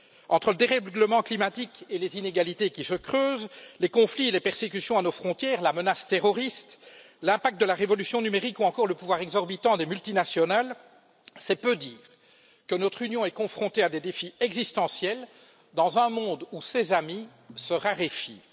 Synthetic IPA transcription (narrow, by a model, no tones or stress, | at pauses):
ɑ̃t̪χələd̪eʁɛɡləmɑ̃klimat̪ikelezineɡalit̪ekʲisəkχøːzlekɔ̃flielepɛʁsekysjɔ̃anofχɔ̃t̪jɛːʁlamənast̪eʁɔʁist̪ | lɛ̃pak̚t̪̚d̪əlaʁevɔlysjɔ̃nymeʁikuɑ̃kɔʁləpuvwaʁɛɡzɔʁbit̪ɑ̃d̪emylt̪inasjɔnal | sɛpød̪iːʁ | kənɔt̪χynjɔ̃ɛkɔ̃fχɔ̃t̪ead̪ed̪efiɛɡzist̪ɑ̃sjɛl | d̪ɑ̃zœ̃mɔ̃ːd̪usezami | səʁaʁefi